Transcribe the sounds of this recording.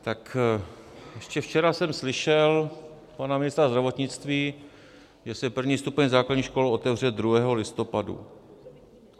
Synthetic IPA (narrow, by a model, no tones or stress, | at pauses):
t̪ak | jɛʃcɛft͡ʃɛɾasɛmslɪʃɛl | panamɪnɪst̪ɾazd̪ɾavo̞t̪ɲɪt͡st̪viː | ʒɛsɛpr̩vɲiːst̪upɛɲzaːkladɲiːxʃko̞lo̞t̪ɛvr̝ɛd̪ɾuɦɛːɦo̞lɪst̪o̞padṵ